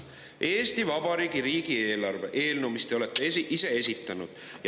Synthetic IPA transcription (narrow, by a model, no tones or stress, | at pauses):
ʔe̞ːst̪ivɑbɑɾiːɡiɾiːɡie̞ːlɑrve̞̰ʔe̞ːlnumist̪e̞o̞let̪ːˑeiʔise̞e̞sit̪ːˑɑnṵd̪̥ | j